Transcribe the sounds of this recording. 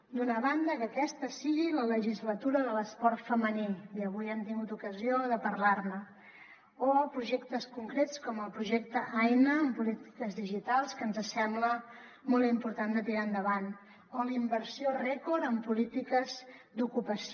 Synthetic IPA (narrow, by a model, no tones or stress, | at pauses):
d̪unəβand̪əkəːkɛst̪əsiɣilələʒizlət̪uɾəðələspɔɾt̪fəməniiəβ̞ujɛmt̪iŋɡut̪ukəzioðəpəɾlarmə | opɾuʒekt̪əskuŋkɾet͡skɔməlˠpɾuʒek̚t̪əʔajnəːmpulit̪i̥kəzðiʒit̪alˠskənzəsɛmblə | molˠt̪impuɾt̪and̪ət̪iɾaənd̪əβan | olimbəɾsiorɛkoɾəmpulit̪ikəzd̪ukupəs